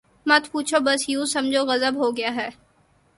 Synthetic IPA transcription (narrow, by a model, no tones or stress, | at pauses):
mɐt̪puːt͡ʃʰobɐsjũsɐmd͡ʒʱoɣɐzəbɦoɡɐɪjaɦɛː